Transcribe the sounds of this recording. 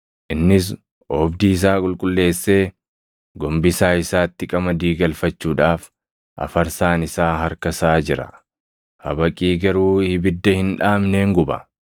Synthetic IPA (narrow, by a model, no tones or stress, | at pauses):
ʔɪnːɪs̬ | ʔɔːbd̪iːɪs̬aːkʼʊlkʼʊlːe̞ːsːe̞ː | ɡɔmbɪsaːɪsaːt̪ːɪkʼɐmɐd̪iːɡɐlfɐt͡ʃːuːᶑaːf | ʔɐ̰fɐɾsaːnɪsaːɦɐɾkɐsaːd͡ʒɪɾɐ̰ | hɐ̰bɐkʼiːɡɐɾuːhɪbɪd̪ːɐhɪnᶑaːmne̞ːŋɡʊbɐ̰